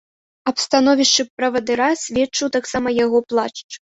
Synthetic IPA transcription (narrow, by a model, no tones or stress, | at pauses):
ɐpst̪anɔvʲiʂt͡ʂɨpɾɐvɐd̪ɨɾasʲvʲɛt͡ʂːɨwt̪aksamɐjaɣɔplˠat͡ʂt͡ʂ